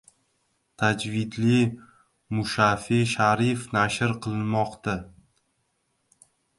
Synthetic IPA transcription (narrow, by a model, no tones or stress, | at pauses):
t̪ʰad͡ʒvɪd̪li | mʊʃafiʃaɾɪfnaʃɪɾqʰɨlˠɪnmɒqt̪a